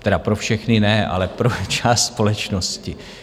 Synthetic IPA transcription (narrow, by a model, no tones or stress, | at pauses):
t̪ɛdapɾo̞fʃɛxnɪnɛʔa̰lɛpɾot͡ʃaːst̪spo̞lɛt͡ʃno̞scɪ